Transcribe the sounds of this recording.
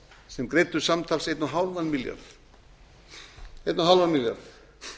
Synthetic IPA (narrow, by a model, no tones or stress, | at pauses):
sɛmkɾejt̪ʏɾ̥samt̪ʰalsejt̪nuɦawlvanmilja̰ɾθ | ejt̪naɦawlvanmilja̰ɾθ